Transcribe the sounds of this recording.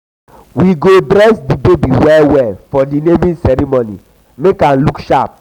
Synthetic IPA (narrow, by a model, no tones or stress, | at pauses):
wiɡodɾɛsdibebiwɛlwɛlfɔdinemĩnsɛɾimonḭ | mekãnlukʃap̚